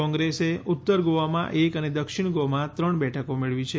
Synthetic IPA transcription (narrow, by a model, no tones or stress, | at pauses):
ɔ̃ŋɡɾeseut̪ːəɾɡoʋamã̰ʔekəned̪əkʃɪɳ̃ɡomãt̪ɾəɳbɛʈʰəkomeɭʋit͡ʃʰe